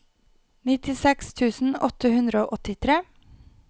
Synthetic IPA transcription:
nɪt̪ɪsɛkst̪ʰʉːsn̩ɔt̪əhʉnd̪ɾəoːʔɔt̪ɪt̪ʰɾeː

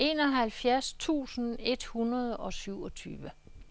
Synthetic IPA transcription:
e̝ːnɒ̽ɦælfjæɐst͡sʰṵːsn̩e̝d̥hunɐð̞̩ˠɒ̽syʊ̰ɒt͡sʰy̰ːʋə

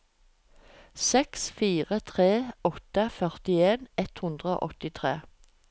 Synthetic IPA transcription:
sɛksfiːʁət̪ʰʁeːɔt̪əfœʁt̪ɪeːnɛt̪hʉnd̪ʁəo̰ːʔɔt̪ɪt̪ʰʁḛː

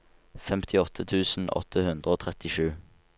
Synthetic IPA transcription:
fɛmt̪ʰɪɔt̪ʰət̪ʰʉːsn̩ɔ̰t̪ʰəhʉnd̪ʁəoːt̪ʰʁɛt̪ɪʃʉː

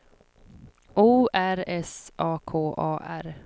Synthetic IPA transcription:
uːæɾɛsɑːkʰoːʔɑːʔæɾ

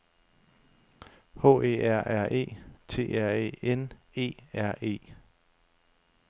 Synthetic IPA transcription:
ho̰ːe̝̰ːæɐ̰ʔæɐ̰ʔe̝̰ːt͡sʰe̝̰ːæɐ̰ḛːen | e̝̰ːæɐ̰e̝̰ː

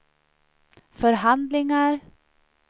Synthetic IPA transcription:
fœɾɦand̪lɪŋaɾ

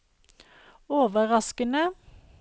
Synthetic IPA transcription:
oːʋəʁɑskənə

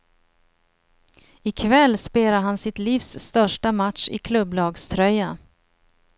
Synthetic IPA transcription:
ɪkʰvɛlːspeːlaɾɦansɪt̪liːvsst̪œʂʈamat̪ʂɪ̰kʰlɵbːlɑːɡst̪ʰɾœjːa

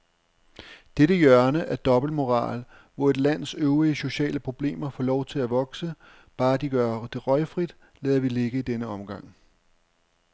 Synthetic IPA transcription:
d̥eɾəjɶɐnəʔæɐd̥ɒ̽b̥l̩mo̝ʁɑ̰̈ːl | ʋɒe̝d̥læn̰søʊiəɕo̝ɕɛ̰ːləpʰʁo̝b̥le̝̰ːmɐfɒ̰ːlɒʊt͡sʰe̝læʋɒ̽ɡ̥sə | b̥ɑ̈ːd̥iɡ̥ɶːɐd̥e̝ʁɒ̽ɪfʁid̥ | lɛːðˠɐʋile̝ɡ̥əid̥enəɒ̽mɡ̥ɑ̈ŋ̰

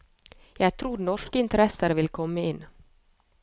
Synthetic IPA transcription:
jæɪt̪ʰɾuːɾnɔʃkəɪnt̪əɾɛsəɾʋɪlkʰɔməɪn

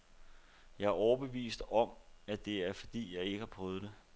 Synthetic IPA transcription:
jɑ̈ɪæɐɒʊɐb̥e̝ʋḭːsd̥ɒ̽mæd̥e̝æɐfɒ̽d̥ḭːjɑ̈ɪe̝ɡ̥əhɑ̈pʰʁɔ̽ð̩ˠd̥e̝

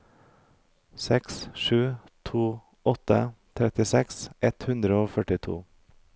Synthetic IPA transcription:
sɛksʃʉːt̪ʰuː | ɔt̪ə̰t̪ʰɾɛt̪ɪsɛksʔɛt̪hʉnd̪ɾəoːfœʈɪt̪ʰṵː

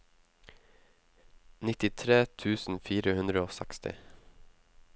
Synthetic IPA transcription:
nɪt̪ɪt̪ʰɾeːt̪ʰʉːsn̩fiːɾəhʉnd̪ɾəoːsɛkst̪ɪ̰

